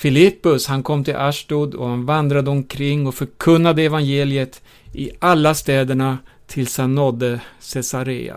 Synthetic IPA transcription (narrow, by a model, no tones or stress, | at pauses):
fɪlɪpːɵshankʰɔmːt̪ʰɪlʔaʂʈuːd̪ɔ̰hanvand̪ɾad̪əɔmkʰɾɪŋːɔfœɾkʰɵnːad̪əɛvanjeːlɪət̪ | ɪʔalːast̪ɛːd̪əɳa | t̪ʰɪlshanːɔd̪ːəsɛsaɾḛːa̰